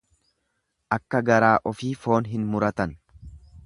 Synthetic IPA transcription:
ʔɐkːɐɡɐɾaːʔɔfiːfo̞ːnɦɪnmʊɾɐt̪ɐn

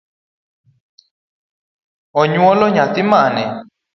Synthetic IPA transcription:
ɔɲũɔlɔɲãt̪imãːnɛ

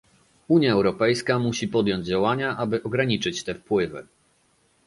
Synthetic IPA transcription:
uɲjaɛwɾɔpɛjskamuɕipɔd̪ʲjɔɲd͡ʑd͡ʑawaɲaʔabɘʔɔɡɾaɲit͡ʂɘt͡ɕt̪ɛfpwɘvɘ

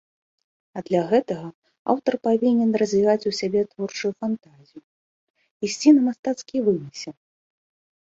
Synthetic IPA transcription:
ɐd̪lʲaɣɛt̪ɐɣɐ | a̰wt̪ɐrpavʲinʲɛnrɐzʲvʲiɣat͡sʲusʲabʲɛt̪vɔrt͡ʂujufant̪azʲiju | isʲt͡sʲinɐmast̪at̪skʲijvɨmʲɨsʲɛ

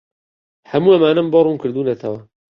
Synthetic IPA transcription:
hɐmuːɐmaːnɐmbɔrˤuːnkɨɾd̪uːnɐt̪ʰɐwɐ

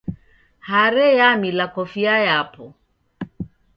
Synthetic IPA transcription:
haɾɛjamilakɔfiajapɔ

